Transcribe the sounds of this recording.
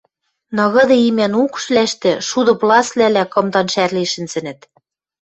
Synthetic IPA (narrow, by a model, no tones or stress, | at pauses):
nɤ̆ɣɤ̆d̪ɤ̆imænukʃlæʃt̪ɘ̆ʃud̪ɤ̆plˠɑslælækɤ̆md̪ɑnʃærliʃɘ̆nzɘ̆nɘ̆t̪